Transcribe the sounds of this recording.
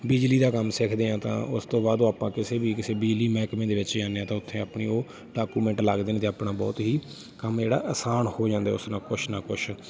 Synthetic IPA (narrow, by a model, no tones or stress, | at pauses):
bɪd͡ʒliːd̪aːkəmsɪkʰd̪eːãːt̪ã̰ːʊst̪õːbaːd̪oːaːpãːkɪseːbiːkɪseːbid͡ʒliːmɛːkmẽːd̪eːʋɪt͡ʃd͡ʒãːneːãːt̪ãːʊt̪ʰːẽːaːpniːoː | ɖaːkuːmɛ̃ːɳʈləɡd̪eːneːt̪eaːpnaːbɔːt̪ɦiː | kəmd͡ʒeːɽa̰ːʔəsaːnhoːd͡ʒãːnd̪aːʊsnãːkʊʃnaːkʊʃ